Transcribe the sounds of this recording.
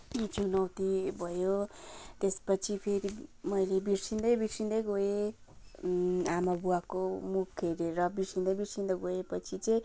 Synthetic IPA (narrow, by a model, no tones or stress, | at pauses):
t͡sunʌwt̪ibʱʌjot̪espʌt͡sʰipʰeɾimʌjlebirsind̪ʌjbirsind̪ʌjɡoe | amabuakomukʰeɾeɾʌbirsind̪ʌjbirsind̪ʌɡoepʌt͡sʰit͡sʌj̃